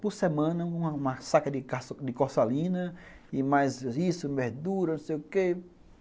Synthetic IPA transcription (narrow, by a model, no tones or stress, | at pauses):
pʊɾsemɐ̃nɐũɐũmɐsakɐd̪ɪkasd̪ɪkosalĩnɐimajzisʊbehd̪uɾɐnõsejʊke